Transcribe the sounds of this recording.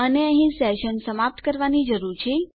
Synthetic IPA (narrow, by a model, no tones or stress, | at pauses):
əneə̃ɦĩsɛʃənsəmap̚t̪kəɾʋanid͡ʒəɾuɾt͡ʃʰe